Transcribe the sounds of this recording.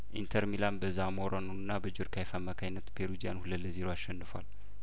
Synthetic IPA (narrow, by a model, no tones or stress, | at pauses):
ʔint̪ʰəɾmilanbəzamoɾonunɨnːabəd͡ʒuɾkʰajfamːakʰajnːət̪pʰeɾud͡ʒija̰nhuləlːəziɾoaʃːɛnːɨfwa̰l